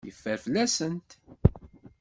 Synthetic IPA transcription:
jəfːəɾflæsənt̪

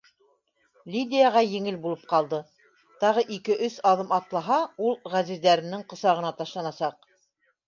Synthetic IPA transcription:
lʲid̪ʲɪjaʁɑjɘ̆ŋɘlbulˠɤp̚qɑlˠd̪ɤ | t̪ɑʁɤʔikɘʔɵsɑðɤmɑt̪lˠɑɦɑulˠʁæzizd̪æɾɘ̆nɘɴqɤ̆sɑʁɤ̆nɑt̪ɑʃlˠɑnɑsɑq̚

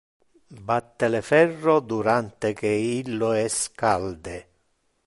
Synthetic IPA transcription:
bat̪ːelefɛrːod̪uɾant̪ekeilːoɛskald̪e

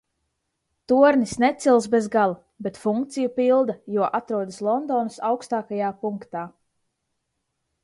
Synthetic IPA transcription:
t̪uɔɾnisnɛt̪silˠsbezɡalˠa | bet̪fuŋkt̪sijupilˠd̪ajuɔʔat̪ɾuɔd̪əslˠɔnd̪ɔːnasawkst̪aːkajaːpuŋkt̪aː

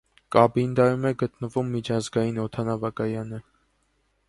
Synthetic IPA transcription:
kɑbind̪ɑɾumɛɡət̪nəvumːit͡ʃʰɑzɡɑjinɔt̪ʰɑnɑvɑkɑjɑnə

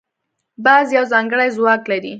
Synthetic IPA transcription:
bɑzjawzɑŋɡəɽajzwɑklaɾi

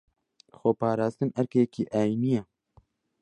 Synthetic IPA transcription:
xoːpɑːɾɑːst̪ɨnɐɾkekiːʔaːjinijɛ

